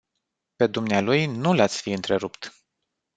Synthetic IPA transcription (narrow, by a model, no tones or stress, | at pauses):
pe̞d̪umnealujnulat̪sʲfiɨnt̪ɾe̞ɾupt̪